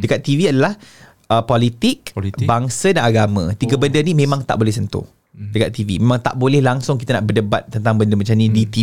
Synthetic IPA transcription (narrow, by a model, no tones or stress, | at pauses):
dəkat̪̚ːiviadalah | əpɔlit̪ɪk̚baŋsədanaɡamã̰t̪iɡabəndənimẽmãŋt̪a̰ʔbolɛhsənt̪ṵh | dəkat̪ːivimemãŋt̪a̰ʔbolɛhlaŋsʊŋkit̪anaʔbərdəbat̪̚ːənt̪aŋbəndəmət͡ʃamnĩdit̪i